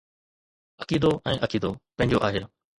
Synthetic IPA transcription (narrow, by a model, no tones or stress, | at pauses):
əkiːd̪oʔɛ̃ːʔɐkiːd̪oːpɐ̃ɦɪ̃ɲd͡ʑoʔaːɦe